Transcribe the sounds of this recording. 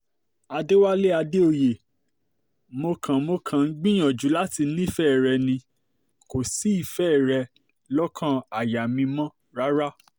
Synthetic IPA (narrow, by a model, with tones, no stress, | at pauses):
a˧de˦wa˦le˦a˧de˦o˧je˨ | mo˧kʰã˨mo˧kʰã˨n̩˦ɡ͡bĩ˦j̃ɔ̃˨d͡ʒu˨˦la˦ti˧nĩ˦i˦˨fɛ˦˨ɾɛ˧nĩ˧ | ko˨si˨˦i˦˨fɛ˦˨ɾɛ˧ | lɔ˦kʰã˦˨a˨ja˨mĩ˧mɔ̃˦ | ɾa˦ɾa˦